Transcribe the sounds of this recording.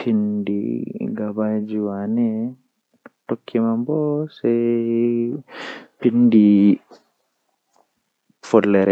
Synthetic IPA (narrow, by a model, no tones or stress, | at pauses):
pʰindḭɡabad͡ʒiwanɛ | tokʰːimambɔsɛ | pindi | fɔlːɛɾɛ